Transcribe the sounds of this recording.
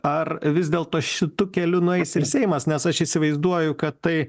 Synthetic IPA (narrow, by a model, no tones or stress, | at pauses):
ɐrʋʲɪzdʲeːlˠt̪oːʃʲɪt̪ʊkʲɛlʲʊnʊɛɪsɪɾsʲɛɪmɐsnʲɛsɐʃiːsʲɪʋɐɪzd̪uɔjʊkɐt̪t̪ɐɪ